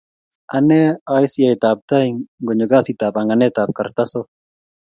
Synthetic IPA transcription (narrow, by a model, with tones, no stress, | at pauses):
a˨nɛ˦ai˦sja˨jta˨p̚ta˦iŋŋɡɔ˨ɲɔ˨ɡa˦si˦ta˨pa˨ŋa˨nɛ˦ta˨p̚ka˨rta˦so˦